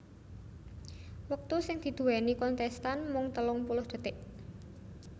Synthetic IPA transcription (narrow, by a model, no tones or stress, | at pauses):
wək̚t̪usɪŋd̪̥i̤d̪̥ṳwɛnikɔnt̪ɛst̪anmʊŋt̪əlʊŋpulʊhd̪̥ə̤t̪ɪʔ